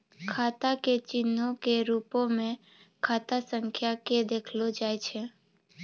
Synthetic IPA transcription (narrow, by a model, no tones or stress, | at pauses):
kʰat̪aket͡ʃɪnːokeɾupomẽ | kʰat̪asəŋkʰjaked̪ekʰlod͡ʒajt͡ʃʰe